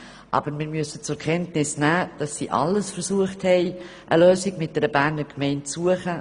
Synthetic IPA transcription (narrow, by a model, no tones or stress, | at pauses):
ʔɑ̰ːb̥əɾmɪɾmyəsət͡sʊkʰɛntnɪsnæːd̥ɑsːḭːʔɑ̰ləsfəɾsuəχthɛɪ | ʔəløːsɪɡmɪt̚d̥ɛɾəbæːnəɾkmɛɪnt͡suəχə